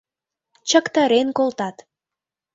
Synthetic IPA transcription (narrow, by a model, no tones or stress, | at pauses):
t͡ɕəkt̪ɑɾenkolt̪ɑt̪